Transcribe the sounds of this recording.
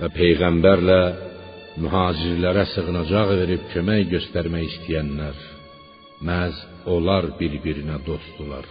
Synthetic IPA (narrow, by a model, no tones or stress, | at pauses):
væpʰe̞jɣæmbæɾlæ | myɦɑːd͡ʒiɾlæɾæsɯɣɯnɑd͡ʒɑʁve̞ɾibcʰø̞mæjɟø̞st̪æɾmæjist̪ʰijænːæɾ | mæz | o̞lˠɑɾbiɾbiɾinæd̪o̞sd̪ulˠɑɾ